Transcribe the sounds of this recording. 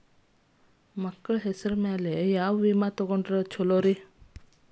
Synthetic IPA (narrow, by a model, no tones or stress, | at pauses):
məkːəɭɦesəɾmaːlejawʋimat̪oɡoɳɖɾət͡ʃʰoloɾi